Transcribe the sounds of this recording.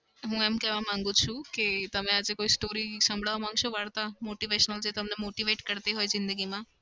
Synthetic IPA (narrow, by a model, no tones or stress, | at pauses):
ɦũemkɛʋamãŋɡũt͡ʃʰũket̪əmẽad͡ʒekoːisʈoːɾisə̃mbʱɽaʋamãŋɡʃoʋaɽt̪amoːʈiʋeʃənəld͡ʒet̪əmnemoːʈiʋeːʈkəɾt̪eɦoːjzɪnd̪əɡimã